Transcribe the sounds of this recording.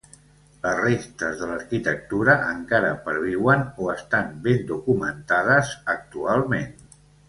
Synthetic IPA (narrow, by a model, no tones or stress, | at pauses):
ləzrest̪əzðələɾkit̪ək̚t̪uɾəʔəŋkaɾə̰pəɾβ̞iwənoəst̪ambend̪ukumənt̪að̞əzək̚t̪ualˠmen